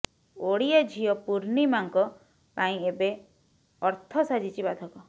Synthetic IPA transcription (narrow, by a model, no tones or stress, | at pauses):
oɽijɔd͡ʒʱiɔpuɾnimaŋkɔ | paĩebe | ɔɾt̪ʰɔsad͡ʒit͡ʃibad̪ʱɔkɔ